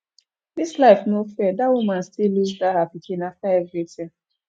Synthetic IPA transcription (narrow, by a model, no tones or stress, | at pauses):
dislaɪfnofɛdawumãnstilːuzdahapikʰĩnaftaɛvɹitʰãm